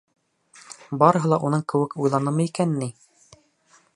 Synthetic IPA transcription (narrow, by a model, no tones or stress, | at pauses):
bɑɾɤ̆ɦɤ̆lˠɑʔunɤɴkɘ̆wɘkujlˠɑnɤmɤikænːi